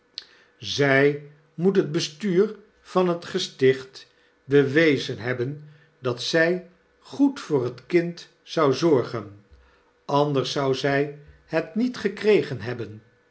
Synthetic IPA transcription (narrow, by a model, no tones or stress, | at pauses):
zɛj | mutɦəd̚bəstyːɹ | v̥ɑnɦətχəstɪχt | bəʋejzənɦɛbən | dɑtsɛj | χutfʊːɹətkɪnt | sɑwzɔɹχən | ɑndəɹsɑwzɛj | hətnitχəkrejχənɦɛbən